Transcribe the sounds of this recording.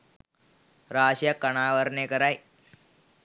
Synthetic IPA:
ɾaːʃjɐkːɐɳ̃aːʋəɾnekɐɾaːj

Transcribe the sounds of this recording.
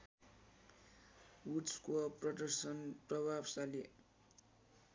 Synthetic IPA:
uʈskoprʌɖʌrsʌnprʌbʱabsale

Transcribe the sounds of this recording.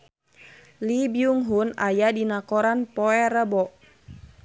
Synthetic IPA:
libiuŋɦunajadinakɔɾanpɔɛɾəbɔʔ

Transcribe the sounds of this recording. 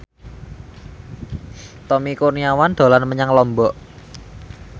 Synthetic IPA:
t̪ɔmikurniawand̪̥o̤lanməɲaŋlɔmbɔʔ

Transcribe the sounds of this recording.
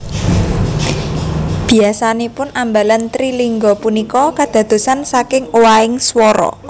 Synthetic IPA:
b̥i̤asanepʊnambalant̪ɾiliŋɡɔpunikɔkad̪̥a̤d̪̥ṳsansakɪŋowaɪŋswɔɾɔ̰

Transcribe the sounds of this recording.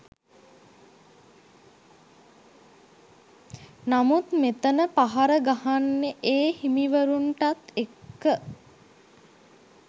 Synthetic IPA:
namut̪met̪ənəpaɦaɾəɡahanːeʔeːhimiʋəɾunʈat̪ekːə

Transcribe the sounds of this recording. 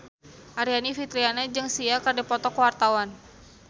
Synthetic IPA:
ʔaɾianifit̪ɾianad͡ʒɨŋsiakardɛpɔt̪ɔkwart̪awan

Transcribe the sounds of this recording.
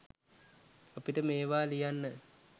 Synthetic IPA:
apiʈəmeːʋaːlijanːə

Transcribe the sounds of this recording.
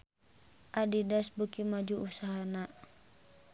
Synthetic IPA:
ʔadidasbukimad͡ʒuusaɦana

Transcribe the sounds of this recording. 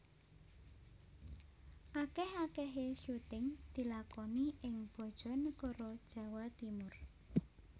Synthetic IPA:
ʔakɛhakɛɦeʃut̪ɪŋd̪̥i̤lakɔniʔɪŋb̥ɔ̤d̥ʒ̥ɔ̤nəkɔɾɔd̥ʒ̥ä̤wat̪imʊr

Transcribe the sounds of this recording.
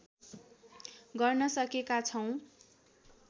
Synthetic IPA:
ɡʌrnʌsʌkekat͡sʰʌw̃

